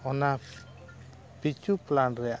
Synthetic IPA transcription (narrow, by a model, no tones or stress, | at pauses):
ɔna | pit͡ʃuplanɾɛa